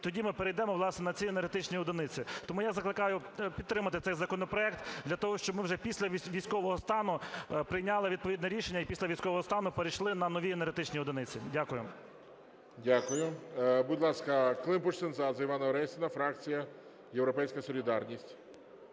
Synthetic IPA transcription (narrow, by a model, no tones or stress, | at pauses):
t̪ɔdʲimɪpeɾejd̪ɛmɔʋlˠɑsnɛnɐt͡sʲienerɦet̪ɪt͡ʃnʲijɔd̪ɪnɪt͡sʲɪt̪ɔmujazɐklˠɪkɑjʊ | pʲit̪t̪ːɾɪmɐt̪ɪt̪sɛjzɐkɔnɔpɾɔɛk̚t̪d̪lʲɐt̪ɔɦɔʃt͡ʃɔbmɪwʒɛpʲisʲlʲɐʋʲʋʲijsʲkɔʋɔɦɔst̪ɑnʊpɾɪjnʲɑlˠɪʋʲid̪̚pɔʋʲid̪nɛɾʲiʃenʲːɐipʲisʲlʲɐʋʲijsʲkɔʋɔɦɔst̪ɑnʊpeɾejʃlˠɪnɐnɔʋʲienerɦet̪ɪt͡ʃnʲiɔd̪ɪnɪt͡sʲidʲakʊjʊ | dʲakʊjʊbʊdʲlˠɑskɐklˠɪmpuʃt̪ɪnzɑzɐiʋɑnɐɾɛsʲɪnɐfɾɑk̚t͡sʲijɐ | jewɾɔpɛjsʲkɐsɔlʲid̪ɑrnʲisʲtʲ